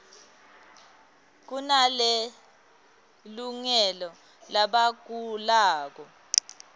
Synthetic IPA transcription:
k̬unale | luŋɛlɔ | laɓaɡ̥ʱulaːk̬ɔ

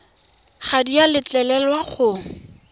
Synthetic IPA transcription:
χadialɪt͡ɬɛlɛlwaχʊ

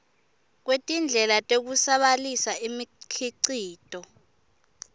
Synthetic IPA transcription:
k̬wetʼind͡ɮʱɛlatʼek̬usaɓalisaimikʰiǀiːtʼɔ

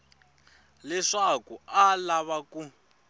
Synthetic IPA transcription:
lɛʂakualaβaku

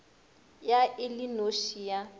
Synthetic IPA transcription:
jaʔɪlinoʃija

